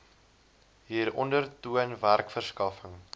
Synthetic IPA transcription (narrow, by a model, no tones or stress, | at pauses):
ɦiːɾɔndərtuənværkfərskɐfəŋ